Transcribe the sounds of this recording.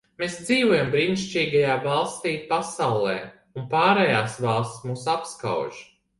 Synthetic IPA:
meːsd̪ziːvuɔjambɾiːniʃt͡ʃiːɡajaːvɑlˠst̪iːpasawlˠɛː | unpaːɾɛjaːsvɑlˠst̪smuːsapska̰wʒ

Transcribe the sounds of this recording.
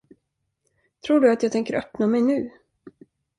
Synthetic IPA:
t̪ʰɾuːɖɵat̪jɑːɡt̪ɛŋkəɾœpnamɛjnʉ̟ː

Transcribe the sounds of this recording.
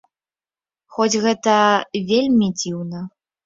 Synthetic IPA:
xɔt͡sʲɣɛt̪ɐvʲelʲmʲid͡zʲiwnɐ

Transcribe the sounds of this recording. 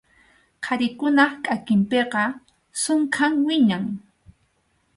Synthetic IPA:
qʰaɾɪkʊnɑχkʼakɪmpeqɑ | sʊŋkʰaŋwɪɲaŋ

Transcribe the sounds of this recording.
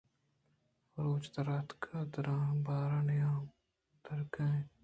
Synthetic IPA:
ɾoːt͡ʃt̪əɾaːt̪kʰaːd̪əɾãːbaːɾanjãː | t̪əɾkɛ̃ː

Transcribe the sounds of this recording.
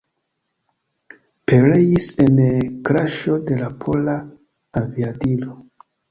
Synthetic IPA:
pe̞ɾe̞jise̞nkɾaʃo̞de̞lapʰo̞laː | viadilo

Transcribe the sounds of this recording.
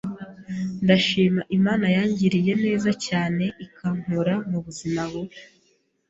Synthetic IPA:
ndaʃiːmaʔimaːnajaːɲɟiɾije̞ne̞ːzacaːne̞ʔikʰaŋ̥huɾamuβuzimaɡo

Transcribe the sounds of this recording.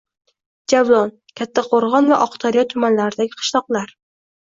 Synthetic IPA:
d͡ʒavlˠɒn | kʲʰat̪ʰːaqʰoɾʁɒnvaʔɒqt̪ʰɒɾɪjɒt̪ʰʊmanlaɾɪd̪aɡʲɪqʰɨ̥ʃlˠɒqlˠaɾ

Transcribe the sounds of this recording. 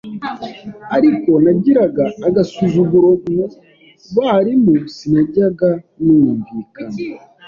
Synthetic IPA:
aɾiko̞naɟiɾaɡaːɡasuzuɡuɾomu | βaɾimusinaɟiɾaɡa | nujuɱviːkana

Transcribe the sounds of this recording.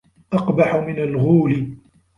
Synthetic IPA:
ʔɑqbaħʊmɪnalɣuːlɪ

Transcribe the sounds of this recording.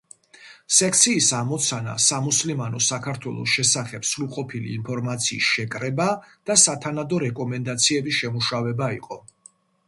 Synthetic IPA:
sɛkʰt̪sʰiːsamɔt̪sʰana̰samuslimanɔsakʰaɾt̪ʰwɛlˠɔ̰sʃɛsaχɛpsɾulˠqʼɔpʰilḭːmpʰɔɾmat̪sʰiːsʃɛkʼɾɛbad̪̥asat̪ʰanad̪ɔɾɛkʼɔmɛnd̪at̪sʰiɛbisʃɛmuʃavɛbaiqʼɔ

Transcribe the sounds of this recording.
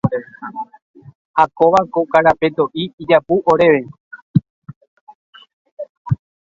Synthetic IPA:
hakoʋakokaɾape̞t̪oʔiːd͡ʒapuʔoɾe̞ʋe̞

